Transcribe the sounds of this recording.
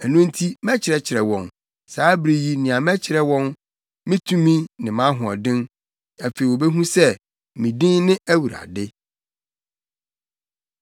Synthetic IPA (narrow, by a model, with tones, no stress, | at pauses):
æ˨nũ˦n̩˦tʰi˦mɛ̃˦t͡ɕʰɪ˨ɾɛ˨t͡ɕʰɪ˨ɾɛ˨wɔ̃˨n | saː˨˦bɾi˦ji˦nĩ˨ã˨mɛ̃˦t͡ɕʰɪ˨ɾɛ˦wɔ̃˦n | mɪ̃˦tʰũ˦mĩ˦nɪ̃˨mã˦ɦʊ̃˨ɔ̰˨dɪ̃˦n | æ˨fe˨i˨wo˨be˦ɦũ˦sɛ˦ | mĩ˨dĩ˦nnɪ̃˦æ˦wu˨ɾa̰˨dɪ˦